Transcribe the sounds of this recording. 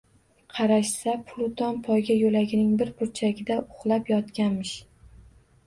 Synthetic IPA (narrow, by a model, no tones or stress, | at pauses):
qʰɑɾaʃsapʰʊlˠʊt̪ʰɒnpʰɒjɡʲajolaɡʲɪnɪŋbɪɾpʊɾt͡ʃʰaɡʲɪd̪aʊχlˠapjɒt̪kʲanmɪʃ